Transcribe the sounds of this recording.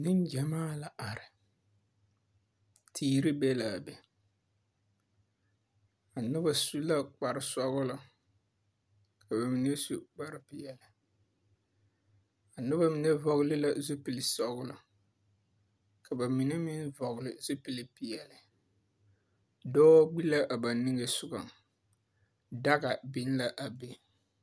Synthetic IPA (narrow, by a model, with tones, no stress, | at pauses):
nɪ˦n˦d͡ʒɛ˨maː˦la˨ʔa˨ɾɪ˨ | tʰiː˦˨ɾɪ˦bɛ˦laː˨bɛ˨ | a˨nʊ˦ba˨su˦la˦k͡pa˨ɾɪ˨sɔ˦ɣʊ˦la˦ | kʰa˨ba˨mi˨ne˦su˦k͡pa˦ɾɪ˦pɪ˨jɛ˨lɪ˨ | a˨nʊ˦ba˦mi˨ne˦vɔ˨ɣʊ˦lɪ˦la˨zʊ˦pi˨lɪ˨sɔ˦ɡʊ˦la˨ | kʰa˨ba˨mi˨ne˦mi˦n˦vɔ˨ɣʊ˨lɪ˨zʊ˦pi˨li˨pi˨jɛ˨lɪ˨ | dɔː˦ɡ͡bi˦la˦ʔa˨ba˨n˨nɪ˦ŋe˨sʊ˦ɡa˨ | da˦ɣa˨bɪ˦n˦la˨ʔa˨be˨